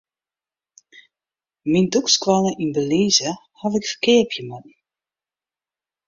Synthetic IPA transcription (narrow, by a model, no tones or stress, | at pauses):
mindukskwaləʔinbəliːzə | havɪkfəkɪːrpʰjəmatn